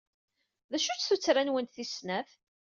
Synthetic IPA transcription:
ðæʃut͡sːθut͡sːɾanwənt̪θisnæθ

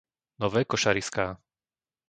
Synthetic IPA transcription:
nɔʋɛːkɔʃaɾiskaː

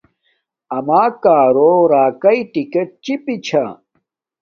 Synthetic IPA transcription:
ɐmaːkaːɾoːɾaːkɐiʈikeʈ̚t͡ɕipit͡ɕʰa̰

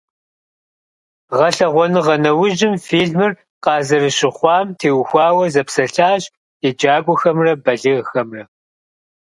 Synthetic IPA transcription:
ʁɐɬɐʁʷɔnɨʁɐnɐwʊʒɪmfiːɮmɨr | qɑːzɐrɨɕɪχʷɑːmtʰeːwxʷɑːwɐzɐpsɐɬaːɕ | ed͡ʒaːɡʷʼʊxɐmrɐbɐɮɨʁxɐmrɐ

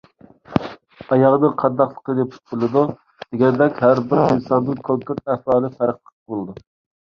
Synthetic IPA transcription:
ɑjɑʁnɨŋqʰɑd̪ɑχlˠə̥qəd̪ɛp̚ʰt̪̚bɪlˠɨd̪u | d̪̥eɡʲɛnd̪ɛkʲɦæɾbɪɾinsɑnːɨnkʰoŋkuɾt̪̚ɛhwɑːlˠɨfæɾəχlˠə̥qʰbolˠɨd̪u

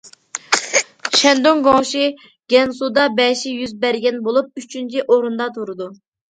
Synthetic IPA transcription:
ʃɛnd̪oŋɡoŋʃi | ɡ̥ʲɛnsud̪ɑbɛʃijyzbɛɾɡʲɛnbolˠup̚yt͡ʃʰynt͡ʃʰiʔoɾund̪ɑt̪ʰuɾɨd̪u

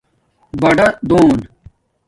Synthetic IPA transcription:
bɐɖɐd̪oːn

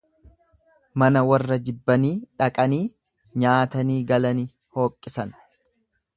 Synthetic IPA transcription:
mɐnɐwɐrːɐd͡ʒɪbːɐniːᶑɐkʼɐniː | ɲaːt̪ɐniːɡɐlɐnɪ | ho̞ːkʼːɪsɐn

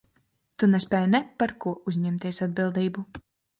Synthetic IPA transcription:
t̪unɛspʲɛjnɛpaɾkuɔʔuzʲɲɛmt̪iɛsad̪̚bilˠd̪iːbu

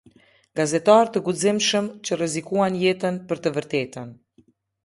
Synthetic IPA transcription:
ɡazɛt̪aɾt̪əɡuzimʃəmt͡ɕərɛzikuanjɛt̪ənpəɾt̪əvəɾt̪ɛt̪ən

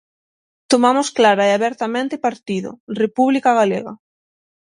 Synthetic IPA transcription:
t̪omamʊsklaɾaeaβɛɾt̪amẽnt̪ɪpaɾt̪iðʊ̰repuβlikaɣ̞alḛɣɐ

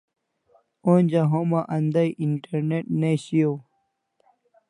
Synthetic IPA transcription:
onʲd͡ʑaɦomaʔɐnd̪ajʔiɳʈeɾneʈneɕijo

